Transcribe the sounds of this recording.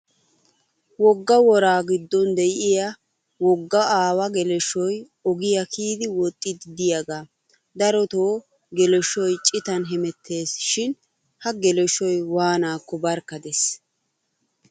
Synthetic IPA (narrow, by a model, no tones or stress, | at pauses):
wɔɡːɐwɔɾaːɡɪd̪ːɔnd̪ɛjɪja | wɔɡːɐʔaːwɐɡɛlɛʃːɔj | ɔɡɪjɐkʰiːd̪ɪwɔt̪ʼːɪd̪ɪd̪ɪjɐɡaː | d̪ɐɾɔt̪oː | ɡɛlɛʃːɔjt͡ʃʼɪt̪ɐnɦɛmɛt̪ʰːe̞ːsʃɪn | hɐɡɛlɛʃːɔjwaːnaːkːɔbɐɾkːɐd̪es